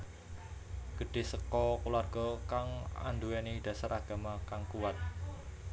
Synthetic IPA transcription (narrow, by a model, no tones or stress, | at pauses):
ɡ̥əɖ̥e̤səkɔkularɡ̥ɔ̤kaŋa̰nd̪uwɛnid̪̥ä̤saɾaɡ̥a̤makaŋkuwat̪̚